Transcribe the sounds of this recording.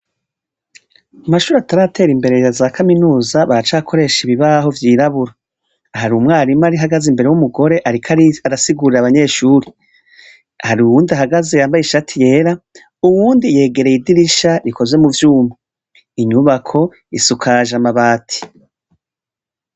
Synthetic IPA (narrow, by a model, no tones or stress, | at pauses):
amaʃuːɾiataɾaːtʰe̞ːɾimbe̞ɾe̞jazaːkʰaminuːzaβaɾat͡ʃaːkʰo̞ɾe̞ʃiβiβaɦo̞vjiːɾaβuɾaː | haɾumŋaːɾimaɾiɦaɡazimbe̞ɾe̞wumuɡo̞ɾe̞ʔaɾikʰaaɾasiɡuɾiɾaβaɲe̞ːʃuːɾi | haɾiuwuːndiaɦaɡaze̞jaːmbajiʃatʰije̞ːɾa | uwuːndije̞ːɡe̞ɾejidiɾiʃaɾiko̞zwe̞muvjuːma | iɲuβakʰo̞ | isukʰaʒamaβaːtʰi̥